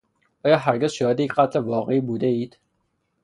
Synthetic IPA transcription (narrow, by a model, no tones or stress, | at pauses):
ʔɒːjɒːɦæɾɡʲezʃɒːhed̪ejecqæt̪ʰlevɒːɣeiːbuːd̪eiːd̪̥